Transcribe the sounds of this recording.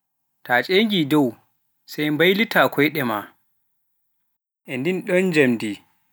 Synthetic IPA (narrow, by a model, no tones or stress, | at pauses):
taːt͡ʃʼeːŋɡidɔw | sajmbajlitʰaːkʰɔjɗɛma | ʔɛndinɗɔnd͡ʒamdi